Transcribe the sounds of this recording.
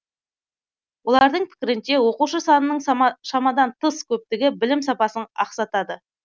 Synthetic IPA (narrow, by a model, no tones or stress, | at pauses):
wo̞lˠɑɾd̪əɴpʰɪ̥kʲɪɾɪnʃe̞wo̞quʃəsɑnənəɴʃɑmɑd̪ɑnt̪ʰəskʲʰɵp̚t̪ɪɡʲɪbɪlɪmsɑpɑsənɑqsɑt̪ɑd̪ə